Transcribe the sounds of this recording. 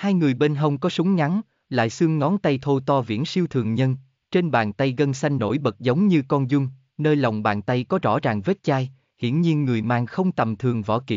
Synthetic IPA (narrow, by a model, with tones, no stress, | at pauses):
haː˧jŋɨ˨˩əjɓe˧nɦə˧wŋ͡mkɔ˨˦sʊ˨˦ŋ͡mɲa˨˦n | la̰ː˧˨jsɨ˧əŋːɔ˨˦nt̪a˧jt̪ʰo˧t̪ɔ˧vḭ˧˥ənsi˧əwt̪ʰɨ˨˩əŋɲə˧n | t͡ɕe˧nɓa̰ː˨˩nt̪a˧jɣə˧nsa˧jŋ̟no̰˧˥˩jɓə˨˩t̚zə˨˦wŋ͡mɲɨ˧kɔ˧nzʊ˧ŋ͡m | nəː˧jla˨˩wŋ͡mɓa̰ː˨˩nt̪a˧jkɔ˨˦zɔ̰˧˥zaː˨˩ŋve˦˥t̚t͡ɕaː˧j | hḭ˧˨ənɲi˧ənŋɨ˨˩əjma̰ː˧˩ŋxə˧wŋ͡mt̪ə˨˩mt̪ʰɨ˨˩əŋvɔ̰˧˩kḭ˧˨